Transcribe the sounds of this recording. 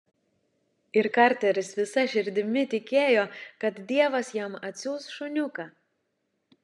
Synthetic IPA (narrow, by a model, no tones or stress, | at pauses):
ɪɾkɑːˑɾʲt̪ʲɛɾʲɪsʋʲɪsɐʃʲɪɾʲd̪ʲɪmʲɪt̪ʲɪkʲeːjoːkɐt̪d̪ʲiɛʋɐsjɛmɐt̪ʲsʲuːsʃʊnʲʊkɑː